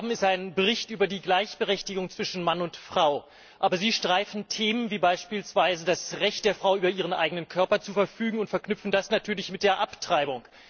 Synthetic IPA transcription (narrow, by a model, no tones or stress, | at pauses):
bm̩ɪstaɪnbəʁ̞ɪçtʔyːbɐdiːɡlaɪçb̥əʁɛçtɪɡʊŋt͡sv̥ɪʃn̩manʊntfʁ̥aʊ | ʔaːbɐziːʃtʁ̥aɪfn̩tʰeːmənviːbaɪʃpiːlsv̥aɪzədasʁɛçtd̥eːɐfʁ̥aʊʔyːbɐʔiːʁ̞ənʔa̰ɪɡənənkʰœɐpɐt͡suːfɛɐfyːɡŋ̩ʊntfɛɐknʏpfn̩dasnatʰyːɐlɪçmɪt̚d̥eːɐʔaptʁ̥aɪbʊŋ